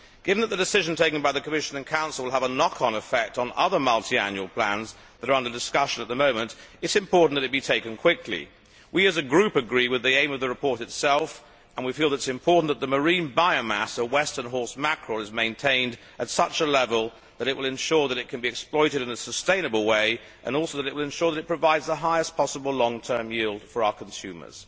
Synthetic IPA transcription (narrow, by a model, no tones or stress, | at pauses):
ɡ̥ɪvɨ̃n̩ðət̪̚ðɨdɨsɪʒ̃n̩tʰeɪkɨ̃nbaɪðɨkʰəmɪʃɨ̃nɨ̃nkʰãʊ̃nsl̩ˠw̩ˠəvənɑkʰn̩ɨfɛk̚tn̩ʌðə˞mʌlˠtʰiæ̰̃njʉl̩ˠpʰl̥æ̰̃nz | ðəɾə˞ʌ̃ndə˞dɨskʌʃɨ̃nət̪̚ðəmõʊ̃mɨ̃ntɨtsɨ̃mpʰɔɹʔn̩ðɨɾɨt̚b̥itʰeɪkɨ̃nkʰw̥ɪklḭ | wiɨzɨɡɹʉpɨɡɹiwɨðiẽɪ̃mʌvðɨɹɨpʰɔɹɾɨtsɛlˠf | ə̃nwifilˠəɾɨtsɨ̃mpʰɔɹʔn̩ðət̪̚ðəmə˞ĩnbaɪoʊmæ̰səwɛstə̃˞nɦɔɹsmækʰɹ̥əlˠɨzmẽɪ̃ntʰẽɪ̃nd | ʔɨtsʌt͡ʃəlɛvəlˠ | ðɨɾɨt̚wʔəlˠɨ̃nʃɔɹðɨɾɨt̚kʰɨ̃nbiɨksplɔɪɾɨɾɨ̃nɨsəstẽɪ̃nɨbl̩ˠweɪ | ʔɨ̰̃nɔlˠsoʊðɨɾɨʔ̚wəlˠɨ̃nʃɔɹðɨɾɨt̚pʰɹ̥ɨvaɪdzðəɦaɪɨspʰɑsəbl̩ˠlɔ̃ŋtʰɜ̃˞mjilˠd̥fə˞aʊə˞kʰn̩sʉmə̰˞z̥